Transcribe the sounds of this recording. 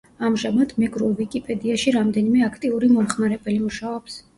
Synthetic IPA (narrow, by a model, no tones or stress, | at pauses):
amʒamad̪mɛɡɾuɛvikʼipʼɛd̪iaʃiɾamd̪ɛnimɛakʰt̪ʼiuɾimɔχmaɾɛbɛlimuʃaɔps